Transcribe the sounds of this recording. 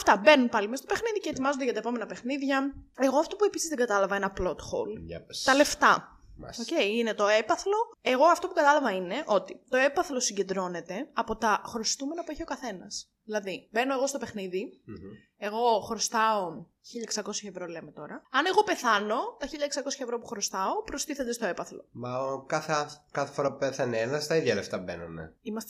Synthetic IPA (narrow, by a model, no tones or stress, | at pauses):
ɐft̪ɐbe̞nunpɐlimest̪opexniðice̞et̪imɐzod̪eʝɐt̪ɐepo̞me̞nɐpexniðʝɐe̞ɣoɐft̪o̞pue̞pisizðeŋɡɐt̪ɐlɐvɐenɐplo̞t̪xo̰lt̪ɐle̞ft̪ɐ | oce̞iinet̪o̞epɐθlo̞e̞ɣo̞ɐft̪o̞pukɐt̪ɐlɐvɐine̞ʔo̞t̪it̪o̞e̞pɐθlo̞siɲɟe̞nd̪ɾo̞ne̞t̪e̞ɐpo̞t̪ɐxɾost̪ume̞nɐpueçio̞kɐθe̞nɐs | ðilɐðibe̞no̞e̞ɣo̞st̪o̞pe̞xniði | e̞ɣo̞xɾost̪ɐo | çiʎɐeksɐko̞sçɐevɾo̞leme̞t̪o̞ɾɐɐne̞ɣo̞pe̞θɐno̞t̪ɐçiʎɐeksɐko̞sçɐevɾopuxɾo̞st̪ɐopɾost̪iθed̪est̪oe̞pɐθlo̞̰mɐkɐθeɐθkɐθefoɾɐppeθɐnienɐst̪ɐiðʝɐleft̪ɐbḛnunḛimɐst̪